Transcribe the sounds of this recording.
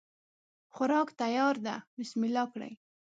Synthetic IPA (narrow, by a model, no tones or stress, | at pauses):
xʊɾɑkt̪ajɑɾd̪a̰mɪsmɪlɑkɽa̰j